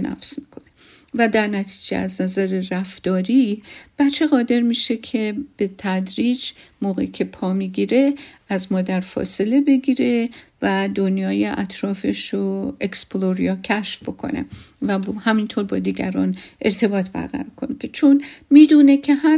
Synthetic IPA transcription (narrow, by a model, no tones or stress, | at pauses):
næ̰fsmikʰone | væd̪æɾnæt̪ʰi̥ːd͡ʒḛæznæzæɾeræft̪ɒːɾiːb̥æt͡ʃʰːeɣɒːd̪e̞ɾmiːʃe̞kʰe̞b̥et̪ʰæd̪ɾiːd͡ʒmoːɣḛicʰe̞pʰɒːmiːɡiːɾe̞æzmɒːd̪æɾfɒ̰se̞le̞be̞ɡiːɾe̞væd̪onjɒːjeʔæ̰t̪ʰɾɒːfe̞ʃoeksploɾijɒːcʰæʃfbo̞kʰo̞̰ne̞̰ | væhæmint̪ʰoɾbɒːd̪iːɡæ̰ɾɒːne̞ɾt̪ʰe̞bɒːt̪ʰbæ̰ɾɣæ̰ɾɒkʰo̞nekʰe̞t͡ʃʰonmiːd̪uːne̞cʰe̞hæ